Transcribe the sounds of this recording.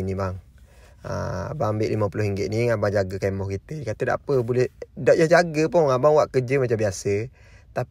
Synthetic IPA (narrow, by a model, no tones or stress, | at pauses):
inibaŋ | ə̰baambɪʔliməpulʊɦiŋɡɪʔ̪̚niŋabaŋd͡ʒaɡəkaimɔhkit̪əkat̪əda̰ʔapəbulɛhdɔʔjahd͡ʒaɡəpʊŋŋabaŋwaʔkəd͡ʒəmat͡ʃambiasə | t̪a